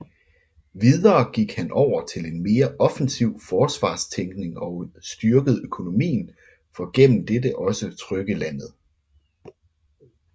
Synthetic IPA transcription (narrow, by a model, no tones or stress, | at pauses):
ʋiðˠɐːɡ̥iɡ̥hænʔɒʊ̰ɐt͡sʰe̝le̝nme̝ːɐʔɒ̽fn̩siʊ̰fɒːsʋɑ̰̈ːst͡sʰeŋɡ̥ne̝ŋɒ̽ʊsd̥yɐɡ̥əð̞̩ˠøkʰo̝no̝mḭːn̩ | fɒ̽ɡ̥en̰m̩d̥edəʔɒ̽sət͡sʰʁœɡ̥əlæn̰ð̞̩ˠ